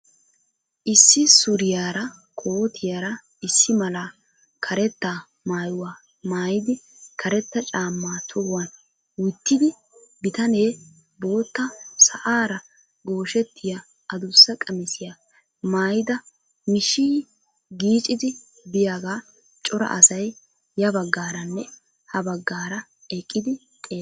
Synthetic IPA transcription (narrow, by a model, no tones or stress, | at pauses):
ʔɪsːɪsʊɾɪjaːɾɐkʰoːt̪ʰɪjaːɾɐ | ɪsːɪmɐlaː | kʰɐɾɛt̪ːaː | maːjʊwaː | maːjɪd̪ɪkʰɐɾɛt̪ːɐt͡ʃʼaːmːaːt̪ʰɔwɐn | wʊt̪ːɪd̪ɪ | bɪt̪ɐne̞ː | bo̞ːt̪ːɐsɐʔaːɾɐ | ɡo̞ːʃɛt̪ːɪja | ɐd̪ʊsːɐkʼɐmɪsɪjaː | maːjɪd̪ɐ | mɪʃiː | ɡiːt͡ʃʼːɪd̪ɪ | bɪjaːɡaː | t͡ʃʼɔɾɐ̰ʔɐsɐj | jɐbɐɡːaːɾɐnːɛ | hɐbɐɡːaːɾɐ | ɛkʼːɪd̪ɪ | t̪ʼeː